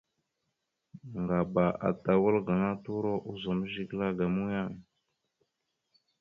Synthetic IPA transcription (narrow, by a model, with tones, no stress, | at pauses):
ŋɡa˨ba˨ʔa̰˨ta˨wə˦lɡa˨ŋa˦tu˦ɾo˦ʔu˦zo˨m˦ʒi˦ɡla˦ɡa˨mu˦ja˦˨ŋ